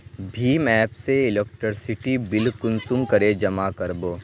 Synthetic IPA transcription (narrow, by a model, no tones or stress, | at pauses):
bʱiːmɛːpseɪlekʈɪɾsɪʈibɪlkʊnsʊmkɐɾed͡ʒɐmakɐɾboː